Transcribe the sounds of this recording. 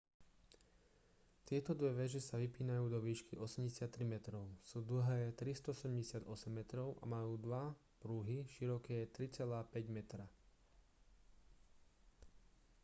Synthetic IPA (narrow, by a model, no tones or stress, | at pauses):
t̪ɪɛt̪ɔd̪ʋɛʋɛʒɛsaʋipiːnajuːd̪ɔʋiːʃkiʔɔsɛmɟɛsɪat̪ːɾimɛt̪ɾɔʊsuːd̪l̩ɦɛːt̪ɾist̪ɔɔsɛɛmɟɛsɪad̪ɔsɛmːɛt̪ɾɔʊʔa̰majuːd̪ʋa | pɾuɦiʃiɾɔkɛːt̪ɾit͡sɛlaːpɛɟmɛt̪ɾa